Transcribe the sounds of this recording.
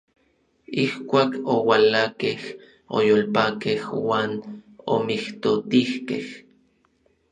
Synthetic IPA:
ihkʷaːkowalakeh | o̰joːlpakehwaːno̰miht̪ot̪ihkḛh

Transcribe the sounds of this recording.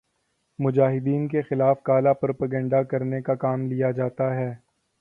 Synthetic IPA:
mʊd͡ʒaːɦɪd̪iːnkexɪlaːfkaːlapɾoːpəɡə̃ːɳɖakɐɾnekakaːmlijad͡ʒaːt̪aɦɛː

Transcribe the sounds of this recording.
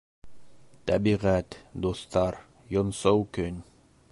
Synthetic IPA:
t̪æbiʁæt̪d̪ost̪ɑɾ | jonsowkɵnʲ

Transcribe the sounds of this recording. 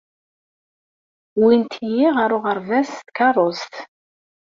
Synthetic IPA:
wint̪ʰjiʁaɾʊʁəɾvæst̪kɑrˤost̪

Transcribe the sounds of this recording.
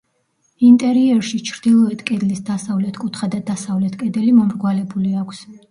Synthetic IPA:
int̪ʼɛɾiɛɾʃit͡ʃʰɾd̪̥ilˠɔɛt̪ʰkʼɛd̪lisd̪asavlɛt̪ʰkʼut̪ʰχad̪ad̪asavlɛt̪ʰkʼɛd̪ɛlimɔmɾɡwalɛbuliakʷʰs

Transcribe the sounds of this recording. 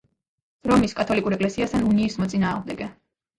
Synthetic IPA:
ɾɔmiskʼat̪ʰɔlikʼuɾɛkʼlɛsiast̪ʰanuniːsmɔt̪sʼinaːʁmd̪ɛɡɛ

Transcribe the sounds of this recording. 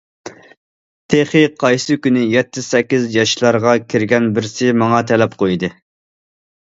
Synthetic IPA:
t̪ʰeχɪqʰɑjsɨkʲynɪjɛt̪ʰːɪsɛkʲːizjɑʃlˠɑɾʁɑkʲʰiɾɡʲɛnbɪɾsɪmɑŋɑt̪ʰɛlɛpqʰojd̪ɨ

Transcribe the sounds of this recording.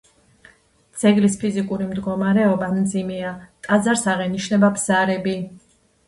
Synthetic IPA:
d̪z̥ɛɡlispʰizikʼuɾimd̪ɡɔmaɾɛɔbamd̪zimɛat̪ʼad̪zaɾsaʁɛniʃnɛbabz̥aɾɛbi

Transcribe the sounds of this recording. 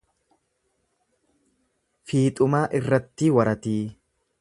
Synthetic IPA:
fiːt̪ʼʊmaːʔɪrːɐt̪ːiːwɐɾɐt̪iː

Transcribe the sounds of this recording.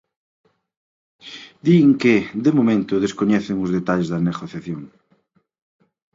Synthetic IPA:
d̪iŋkɪd̪emomẽnt̪ʊðeskoɲɛθeŋʊzðet̪aʎezðɐneɣoθjaθjoŋ

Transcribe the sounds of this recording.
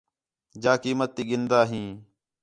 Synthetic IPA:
d͡ʒaːkiːmət̪ːiːɠɪnd̪aːɦĩː

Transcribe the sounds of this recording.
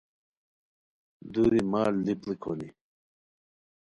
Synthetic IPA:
d̪uɾimaːlliplikʰoni

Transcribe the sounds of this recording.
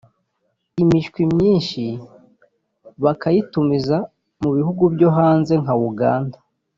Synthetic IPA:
imiʃkwimɲiːnʃi | βakajitumiza | muβihuɡubɟo̞ɦaːnze̞ŋauɡa̰ːnda

